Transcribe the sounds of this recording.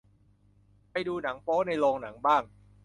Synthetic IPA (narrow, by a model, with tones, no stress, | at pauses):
pa˧jduː˧na˩˦ŋpʰɔː˦˥na˧jlɔː˧ŋna˩˦ŋbaː˥˩ŋ